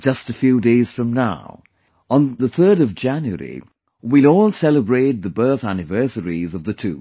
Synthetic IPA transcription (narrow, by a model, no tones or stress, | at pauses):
d͡ʒʌstɨfjʉdeɪz̥fɹʌ̃mnaʊ | ə̃nðəθɜ˞ɾʌvd͡ʒæ̃njuə̰ɹḭ | wilɔːlˠsɛlˠəbɹeɪt̪̚ðəbɜ˞θænɨvɜ˞səɹizʌvðɨtʰṵ